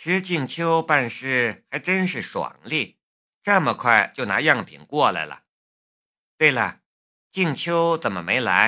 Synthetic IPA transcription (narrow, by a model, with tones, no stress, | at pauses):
ʈ͡ʂɻ̩˧˥t͡ɕi˥˩ŋt͡ɕʰjo˥ʊpa˥˧nʂɻ̩˥˩xa˧˥ɪʈ͡ʂə˥nʂɻ̩˥˩ʂwɑ̰˨˩ŋli˥˩ | ʈ͡ʂə˥˩mə˩kʰwa˥˩ɪt͡ɕjo˥˩ʊna̰˧˥jɑ˥˩ŋpʰḭ˨˩nkwɔ˥˩la̰˧˥ɪlə̰˩ | t̪we˥˩ɪlə̰˩ | t͡ɕi˥˩ŋt͡ɕʰjo˥ʊt͡sə˨˩nmə˦me˧˥ɪla̰˧˥ɪ